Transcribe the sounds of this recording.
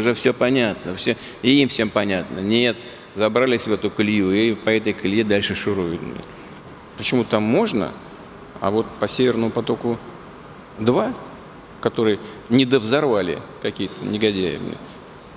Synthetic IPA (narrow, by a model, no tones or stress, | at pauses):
ʊʐɛfsʲopɐnʲat̪̚nəfsʲo | ɪimfsʲe̞mpɐnʲat̪nənʲet̪ | zɐbɾalʲɪsʲvɛt̪ʊklʲjuipɐɛt̪əjklʲjed̪alʲʂɨʂɨɾoɪn̰ɪ̰ | pət͡ɕɪmut̪amːo̞ʐnə̰ | a̰vo̞t̪pəsʲevʲɪrnəjʊpɐt̪o̞kʊ | d̪va | kɐt̪o̞ɾɨjə | nʲɪd̪əvzɐrvalʲɪ̰kɐkʲijət̪ənʲɪɡɐdʲæɪ̰mnɨ̰j